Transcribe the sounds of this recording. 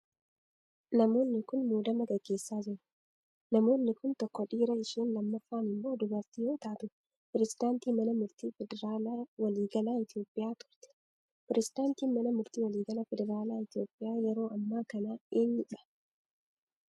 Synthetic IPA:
nɐmo̞ːnːɪkʊnmuːd̪ɐmɐɡɐɡːe̞ːsːaːd͡ʒɪɾɐ̥ | nɐmo̞ːnːɪkʊnt̪ɔkːɔᶑiːɾɐɪʃiːnlɐmːɐfːaːnɪmːoːd̪ʊbɐɾt̪ɪjo̞ːt̪aːt̪ʊ | pɪɾɛzɪd̪aːnt̪iːmɐnɐmʊɾt̪iːfɛd̪ɛɾaːlaːwɐliːɡɐlaːɪt̪ɪjo̞ːpʼːɪjaːt̪ʊ̥ɾt̪ɛ̥ | pɪɾʔɛzɪd̪aːnt̪iːnmɐnɐmʊɾt̪iːwɐliːɡɐlɐfɛd̪ɛɾaːlaːɪt̪ɪjo̞ːpʼːɪjaːjɛɾo̞ːʔɐmːaːkɐnaːeːnːɪᶑɐ̥

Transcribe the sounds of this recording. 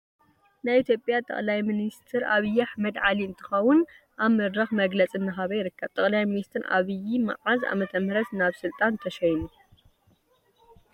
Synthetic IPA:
najit̪ʰjopʼjat̪ʼɐ̰χʼlajminist̪ʰɨɾʔa̰βɨjːaħmɐd̪ʕaliɨnt̪ʰɨ̥xɐwːʊn | ʔaβmɨd̪ɾaxmɐɡlɐt͡sʼɨnːɨxaβɐjɪɾɨkːɐβt̪ʼɐχʼlajminist̪ʰɨɾʔa̰βɨjima̰ʕaza̰mɐt̪ʰɐmhɾɐt̪naβsɨlt̪ʼant̪ʰɐʃɐjnu

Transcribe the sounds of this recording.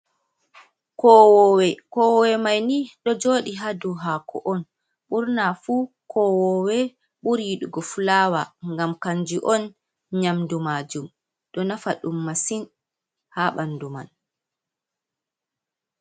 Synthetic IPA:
kɔwɔwɛkɔwɔwɛmajniːɗɔd͡ʒoːɗiɦaduɦakɔ̰ʔɔn | ɓuɾnafuː | kʰɔwɔwɛ | ɓuɾiɗuɡɔfulaːwaŋɡamkaɲd͡ʒiʔɔn | ɲamdumaːd͡ʒum | ɗɔnafaɗumːasin | haɓanduma̰n

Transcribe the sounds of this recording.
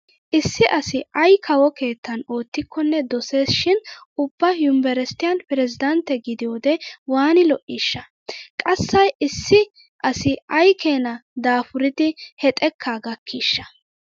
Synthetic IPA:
ʔɪsːɪʔɐsɪɐjkʰɐwɔke̞ːt̪ːɐno̞ːt̪ːɪkʰːɔnːɛd̪ɔse̞ːsʃɪnʊbːɐjʊmbɛɾɛst̪ɪjɐnpɪɾɛzɪd̪ɐnt̪ːɛɡɪd̪ɪjoːd̪ɛwaːnɪlɔʔiːʃːɐ | kʼɐsːɐjɪsːɪ | ʔɐsɪɐjkʰeːnɐd̪aːfʊɾɪd̪ɪhɛt̪ʼɛkʰːaːɡɐkʰːiːʃːɐ̥

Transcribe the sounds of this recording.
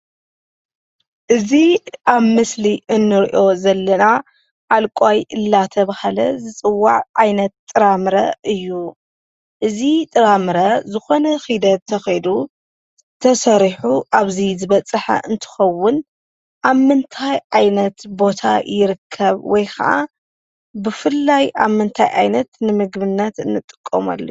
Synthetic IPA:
ʔɨziʔaβmɨsliʔɨnːɨɾiʔo̞zɐlːɐna | ʕalkʷʼajɨlːat̪ʰɐβahalɐ̰zɨt͡sʼɨwːaʕʕajnɐt̪ʼːɨɾamɾɐ̰ʔɨjːu | ʔɨzit̪ʼɨɾamɨɾɐzɨxo̞nɐxid̪ɐt̪t̪ʰːɐxɐjd̪u | t̪ʰɐsɐɾiħuʔaβzizɨβɐt͡sʼɨħa̰ʔɨnt̪ʰɨ̥xɐwːʊn | ʔaβmɨnt̪ʰajʕajnɐt̪bo̞t̪ʰa̰jɪɾɨkʰːɐβwɔjkʰɐ̰ʔa̰ | bɨfɨlːajaβmɨnt̪ʰa̰jʔa̰jnɐt̪nɨmɨɡbɨnːɐt̪ɨnːɨt̪ʼɨ̥kʼːoma̰lːɐ

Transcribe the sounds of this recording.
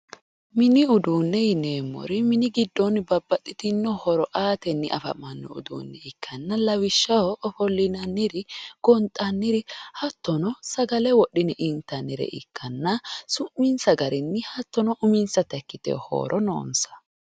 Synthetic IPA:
mɪnɪʊd̪uːnːɛjɪneːmːɔ̰ɾɪmɪnɪɡɪd̪ːɔnbɐbːɐt̪ʼːɪt̪ɪnːɔhɔɾɔʔaːt̪ɛnːɪʔɐ̰fɐ̰mːɐnːɔ̰ʊ̰d̪ṵːnːɛɪkʰːɐnːɐlɐwɪʃːɐwɔʔːfɔlːɪnɐnːɪɾɪɡ̥ɔnt̪ʼɐnːɪɾɪhɐt̪ːɔnɔsɐɡɐlɛwɔɗɪnɪʔɪnt̪ːɐnːɪɾɛ̰ʔɪ̰kʰːɐnːɐsʊmːɪnsɐɡɐɾɪnːɪhɐt̪ːɔnɔʔʊmɪnsɐt̪ɐkːɪt̪ɛ̰ho̰ːɾʔɔno̰ːnsɐ̥

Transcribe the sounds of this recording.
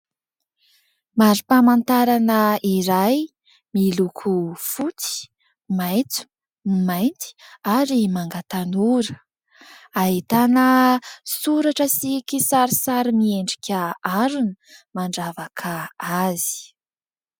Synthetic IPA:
maɾipamant̪aɾanəiɾaj | milukʰufut͡si̥ | majt͡su̥ | majnt̪i̥aɾimaŋɡat̪anuɾə̥ | aɦit̪anəsuɾaʈ͡ʂəsikʲisaɾisaɾimieɳɖ͡ʐi̥kʲaaɾunə | maɳɖ͡ʐavakʰaazi̥

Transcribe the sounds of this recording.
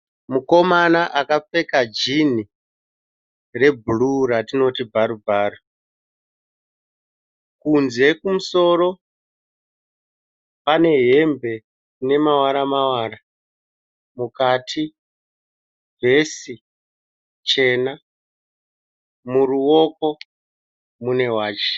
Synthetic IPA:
muko̞manaʔakap͡fe̞kad͡ʒini | re̞bʱuluɾatino̞tib͡vaɾubʱaːro | kunze̞kumuso̞ro̞ | pane̞ɦe̞mbe̞ | ne̞mawaɾamawaːɾa | mukatʰi | ve̞si | t͡ʃe̞na | muruwo̞ko̞ | mune̞waːt͡ʃe̥

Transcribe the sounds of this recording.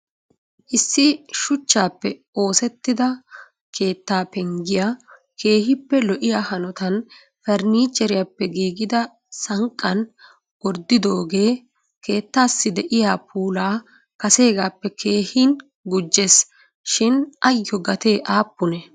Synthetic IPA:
ʔɪsːɪʃʊt͡ʃːaːpːɛ | o̞ːsɛt̪ːɪd̪ɐ | kʰe̞ːt̪ːaːpɛŋɡɪjaː | kʰe̞ːhɪpːɛlɔʔɪjaːhɐnɔt̪ɐn | fɛɾniːt͡ʃːɛɾɪjaːpːɛɡiːɡɪd̪ɐ | sɐŋkʼːɐn | wɔɾd̪ɪd̪o̞ːɡe̞ː | ke̞ːt̪ːaːsːɪd̪ɛʔɪjaːpʰuːlaː | kɐse̞ːɡaːpːɛkʰeːhiːn | ɡʊd͡ʒːes | ʃɪnʔɐjːɔɡɐt̪e̞ːʔaːpːʊnɛ

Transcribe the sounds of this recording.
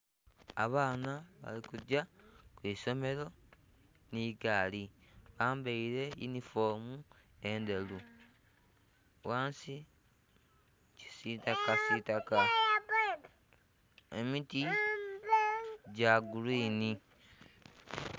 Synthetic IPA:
a̰βaːnaβa̰likuɟakwiːso̞me̞ɾo̞ | niːɡaːli | βaːmbeiɾe̞junifo̞ːmu | e̞ndelu | waːnsi | ci̥sitakasitaka | emiti | ɟaɡuliːni

